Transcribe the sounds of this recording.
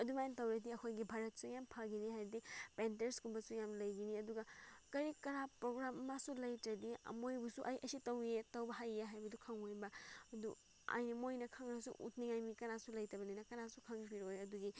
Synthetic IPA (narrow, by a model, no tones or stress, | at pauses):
ɐdumajentɐwɾɐdiɐkʰojɡibʱaɾɐt̚sujampʰɐɡiniɦajbɐdipenteɾskumbɐsujamlɐjɡiniɐduɡɐkɐɾikɐɾapɾoɡɾamɐmasulɐjtɾɐdiɐ̰mojbusuʔɐjʔɐsitɐwetɐwbɐɦajːeɦajbɐdukʰɐŋojbɐɐdu | a̰jnɐmojnɐkʰɐŋnɐsṵʔṵtniŋajmikɐnasulɐjtɐbɐninɐkɐnasukʰɐŋbiɾojɐduɡi